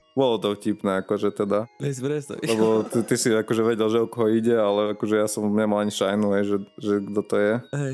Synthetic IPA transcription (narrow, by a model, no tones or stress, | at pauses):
bɔlɔt̪ɔfcipnɛakɔʒɛt̪ɛd̪aɛɛslɛbɔt̪it̪isiakɔʒɛʋɛɟɛlʒɛɔkɔɦɔiɟɛalɛakɔʒɛjasɔmɲɛmalaɲiʃajnuɦɛjʒɛʒɛɡd̪ɔt̪ɔjɛɦɛ